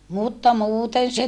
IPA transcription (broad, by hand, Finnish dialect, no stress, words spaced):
mutːɑ muːten se